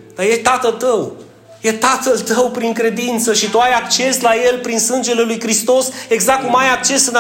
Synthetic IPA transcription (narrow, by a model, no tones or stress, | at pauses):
d̪ajet̪at̪əlt̪əw | jet̪at̪əlt̪əwpɾiŋkɾe̞d̪int̪səʃit̪uajakt͡ʃe̞slaje̞lpɾinsɨnd͡ʒe̞le̞lujkɾist̪o̞se̞ɡzak̚kːumajak̚t͡ʃe̞sɨn